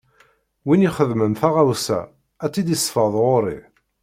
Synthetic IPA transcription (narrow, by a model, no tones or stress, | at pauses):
winiχəðmənθaʁawsæ̰ | æt͡sːid̪isˤfəðˤʁoɾḭ